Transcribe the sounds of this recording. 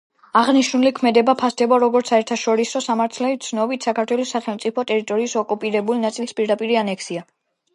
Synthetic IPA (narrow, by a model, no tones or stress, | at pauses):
aʁniʃnulikʰmɛd̪ɛbapʰasd̪ɛbɔɾɔɡɔɾt̪sʰaɛɾt̪ʰaʃɔɾisɔsamaɾt̪ʰlɛt̪sʰnɔbit̪ʰsakʰaɾt̪ʰwɛlɔsːaχɛlˠmt̪sʼipʰɔt̪ʼɛɾit̪ʼɔɾiːsɔkʼupʼiɾɛbulinat̪sʼilspʼiɾd̪apʼiɾianɛkʰsia